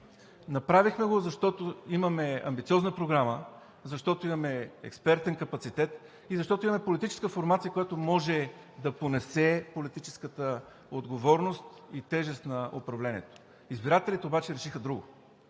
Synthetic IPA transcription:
nɐpɾavixmɛɡozɐʃt̪ɔt̪oimɐmɛɐ̰mbit̪siɔznəpɾoɡɾamə | zɐʃt̪ɔt̪oimɐmɛɛ̰kspɛɾt̪ɛnkɐpɐt̪sit̪ɛt̪ | izɐʃt̪ɔt̪oʊimɐmɛpolit̪it͡ʃɛ̥skəfoɾmat̪sijəkojat̪omɔʒɛ | d̪ɐponɛsɛpolit̪it͡ʃɛ̥skət̪ə | od̪ɡovɔɾnost̪it̪ɛʒɛst̪nɐo̰pɾɐvlɛniɛt̪o̥ | izbiɾat̪ɛlit̪ɛobat͡ʃɛɾɛʃixəd̪ɾuɡʊ

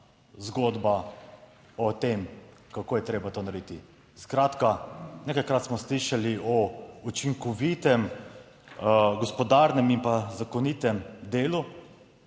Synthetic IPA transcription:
zɡoːd̪ba | ɔt̪emkakoːjɛt̪ɾeːbat̪oːnaɾed̪it̪i | skɾaːt̪kanekajkɾaːt̪smɔsliːʃaliɔut͡ʃiŋkɔʋit̪ɛm | ɡɔspɔd̪aɾnɛmimpazakɔniːt̪ɛmd̪eːlu

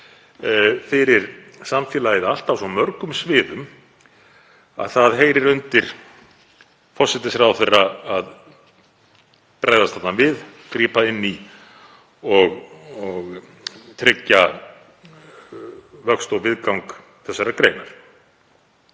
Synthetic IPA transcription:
fɪɾɪɾ̥ | samfjɛːlajɪðal̥t̪awsɔmœɾkʏmsvɪːðʏm | a̰ðθaðɦejɾɪɾʏnt̪ɪɾ̥ | fɔr̥sɛt̪ɪsɾawθejrːaað | pɾʔajðast̪aːt̪nanvɪðk̪ɾiːpaɪnːi | ɔɣɔɣ | t̪ʰɾɪcːa | vœkst̪ɔɣvɪðkawŋk | θɛsːaɾakɾeːjnaɾ̥

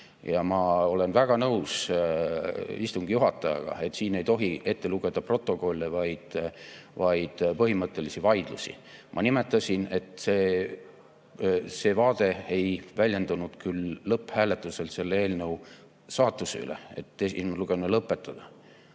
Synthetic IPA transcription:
jɑmɑo̞le̞nvæɡ̥ɑnɤws | ist̪uŋɡ̥ijuɦɑt̪ːˑɑjɑ̰ɡ̥ɑ̰e̞t̪ːsiːne̞jt̪o̞ɦie̞t̪ːeluɡ̥e̞d̪̥ɑpro̞t̪ːˑo̞ko̞lʲːevɑjd̪̥vɑjd̪̥pɤɦimɤt̪ˑːe̞lisivɑjd̪̥lusḭ | mʔɑ̰nime̞t̪ːˑɑsʲine̞t̪ˑse̞ː | se̞ːvɑːd̪̥e̞e̞jvælʲje̞nd̪̥unud̪̥kylːɤpːhæːle̞t̪ːˑuse̞lt̪se̞lːee̞ːlnɤw | sɑːt̪ːˑusey̰lḛḛt̪ːesimluɡ̥enulɤpːˑe̞t̪ːˑɑd̪̥ɑ

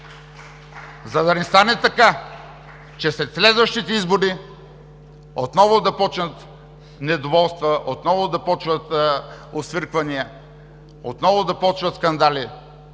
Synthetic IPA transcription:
zɐd̪ɐnɛst̪anɛt̪ɐka | t͡ʃɛsɾɛt̪slɛd̪vɐʃt̪it̪ɛizboɾi | ot̪nɔvʊd̪ɐpɔt͡ʃnət̪ | nɛd̪ovɔlˠst̪vɐʔot̪nɔvʊd̪ɐpɔt͡ʃvɐt̪osvəɾkvɐniə | ot̪nɔvʊd̪ɐpɔt͡ʃvɐt̪skɐnd̪ali

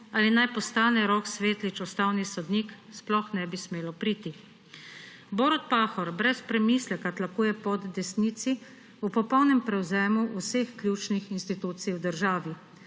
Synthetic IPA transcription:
alinajpɔst̪aːnɛɾɔksʋeːt̪lit͡ʃɔst̪aːwnisɔd̪niːksplɔxnɛbismeːlɔpɾiːt̪i | boːɾɔt̪̚paːxɔɾbɾɛspɾɛmiːslɛkat̪lakuːjɛpɔd̪ːɛsniːt̪si | upɔpɔwnɛmpɾɛwzɛːmuʔusexklʲjuːt͡ʃnixinst̪it̪uːt̪sijwd̪əɾʒaːʋi

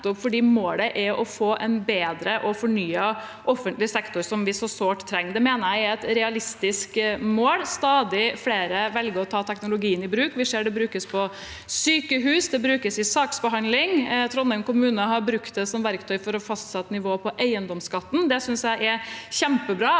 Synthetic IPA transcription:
t̪ɔpfɔɖiːmoːləʔɛɾʔɔfoːʔɛnbeːd̪ɾəʔɔfɔɳyːə | ʔɔfːənt̪lɪsɛkt̪ʊɾsɔmʋɪsɔsoːʈt̪ʰːɾɛŋːd̪ɛmeːnəæɪɛt̪ɾɛɑlɪst̪ɪskmoːlst̪ɑːd̪ɪfleːɾəʋɛlɡəɾɔt̪ʰɑːt̪ʰɛknʊlʊɡiːənɪbɾʉːkʋɪseːɖɛbɾʉːkəspʰɔ | syːkəɦʉːsd̪ɛbɾʉːkəsɪsɑːksbəɦɑnlɪŋt̪ʰɾɔnːənkʊmʉːnəɦɑɾbɾʉkt̪̚d̪ɛsɔmʋæɾkt̪ʰœʏfɔɾɔfɑst̪sɛt̪ːnɪʋoːpʰɔʔæɪənd̪ɔmskɑt̪ːn̩d̪ɛsʏnsjæɪʔɛçɛmpəbɾɑː

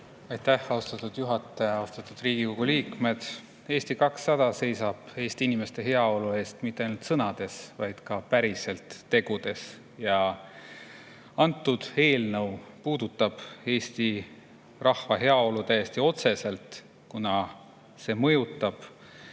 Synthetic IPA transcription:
ɑjt̪ːæhɑost̪ɑt̪ːud̪̥juɦɑt̪ːˑɑjɑɑost̪ɑt̪ːˑud̪̥riːɡ̥iko̞ɡ̥uliːkme̞d̪̥ | e̞ːst̪ikɑksːɑd̪̥ɑse̞jsɑb̥e̞ːst̪iinime̞st̪e̞ɦe̞ɑo̞lue̞ːst̪mit̪ːeɑjnult̪sɤnɑd̪̥e̞svɑjd̪̥kɑpæɾise̞lt̪ːe̞ɡ̥ud̪̥e̞s | jɑ | ɑnt̪ːˑud̪̥e̞ːlnɤwpuːd̪ut̪ːˑɑb̥e̞ːst̪i | rʔɑhvɑɦe̞ɑo̞lut̪æjest̪io̞t̪se̞se̞lt̪ | kunɑ | se̞mɤ̞jut̪ːˑɑb̥

